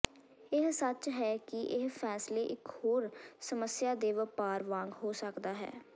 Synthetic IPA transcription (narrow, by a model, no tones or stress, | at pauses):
ɪɦsət͡ʃɦɛːkɪʔɪɦpʰɛːsleːʔɪkhoːɾsəməsjaːd̪eːʋəpaːɾʋãːŋɡɦoːsəkd̪aːɦɛ̰ː